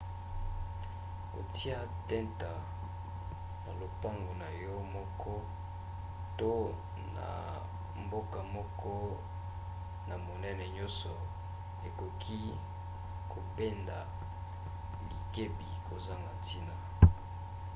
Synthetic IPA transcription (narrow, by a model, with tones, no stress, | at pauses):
ko̰˨ti˦a˦tɛ˦nta˨ | na̰˨lo˨pa˦ŋɡo˨na˨jɔ˦mɔ˦kɔ˦ | to˦ | na̰˨ | mbo˦ka˨mɔ˦kʰɔ˦ | na˨mo˨nɛ˦nɛ˨ɲɔ̃˦sɔ˨ | e˨ko˨kʰi˦ | kʰo˨be˦nda̰˨ | li˨ke˦bi˨ko˨za˦ŋɡa˨tʰi˦na˨